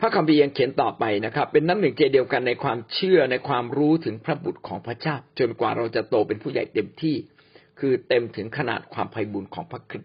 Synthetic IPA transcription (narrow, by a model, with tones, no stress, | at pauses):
pʰa˦˥˩kʰa˧mpʰiː˧ja˧ŋkʰe˨˩˦nt̪ɔː˨˩pa˧jna˦˥kʰɾa˦˥pːe˧nːaː˦˥mnɯ˨˩˦ŋt͡ɕeː˧di˧əwka˧nːa˧jkʰwaː˧mt͡ɕʰɯ˥˩ɐna˧jkʰwaː˧mɾuː˦˥t̪ʰɯ˩˦ŋpʰɾa˦˥bu˨˩t̪̚kʰɔː˩˦ŋpʰɾa˦˥t͡ɕaː˥˩w̚t͡ɕo˧nkwa̰ː˨˩ɾa˧wt͡ɕa˨˩t̪oː˧pe˧npʰuː˥˩ja̰˨˩jt̪e˧mt̪ʰiː˥˩ | kʰɯː˧t̪e˧mt̪ʰɯ˩˦ŋkʰa˧na̰ː˨˩t̪̚kʰwaː˧mpʰa˧jbuː˧nkʰɔ̰ː˩˦ŋpʰa˦˥˩kʰɾi˦˥t̪̚